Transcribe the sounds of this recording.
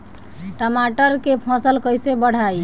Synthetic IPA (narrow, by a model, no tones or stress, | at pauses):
ʈəmaʈəɾkepʰɔ̃səlkəjsebəɽ̤aj